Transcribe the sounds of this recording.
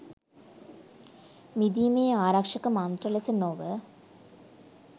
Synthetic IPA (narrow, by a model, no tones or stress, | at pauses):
mid̪ijmeːaːɾakʂɐkːɐmaːnd̪rɐlesɐnoːʋə